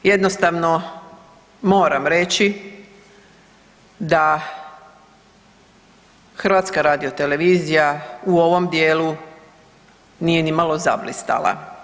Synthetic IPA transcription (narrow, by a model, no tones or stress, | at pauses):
je̞d̪nost̪aʋno̞ | mo̞ːɾamɾe̞t͡ɕi | d̪a | xr̩ʋaːt̪skaɾaːd̪iot̪e̞le̞ʋiːzijauo̞ʋo̞md̪je̞ːlu | nije̞nimalˠo̞za̰blḭst̪a̰lˠa̰